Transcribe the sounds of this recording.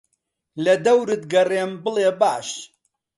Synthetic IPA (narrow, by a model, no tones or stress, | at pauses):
lɐd̪ɐwɾɨt̪̚ɡɐreːmbɨlebaːʃ